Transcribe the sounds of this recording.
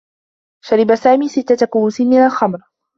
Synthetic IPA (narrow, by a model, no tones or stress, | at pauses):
ʃaɾɪbasaːmiːsɪt̪ːat̪akʊwːsɪnmɪnalxamɾ